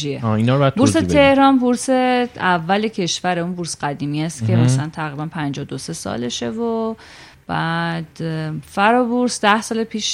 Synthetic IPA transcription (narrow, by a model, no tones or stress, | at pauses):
ieɒːinɒɾbad̪buɾset̪ʰe̞hɾɒːnbuɾseævːælecʰe̞ʃvæɾeunbuɾsɢæd̪iːmiæst̪cʲʰemæslænt̪ʰæɣɾiːbænpʰænd͡ʒɒd̪ose̞sɒ̰ːle̞ʃe̞vo | b̥æd̪̥fæɾɔbuɾsd̪æhsɒːlepʰiːʃ